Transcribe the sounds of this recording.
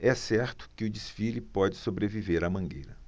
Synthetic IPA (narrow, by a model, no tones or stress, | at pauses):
ɛsɛɾt̪ʊ̥kɪʊd͡ʒisfilɪpɔd͡ʒɪsobɾeviveɾɐmɐ̃ɡejɾɐ